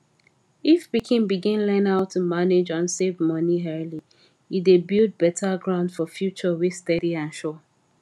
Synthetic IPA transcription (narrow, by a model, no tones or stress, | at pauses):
ifpikʰɪ̃ŋbiɡɪ̃nlɛ̃naʊtʰːumaned͡ʒɔ̃nsevmʌniɦɜli | idebilˠd̚bɛtʰəɡɹãʊ̃ndfɔfjut͡ʃəwi̥stɛɾiãnʃo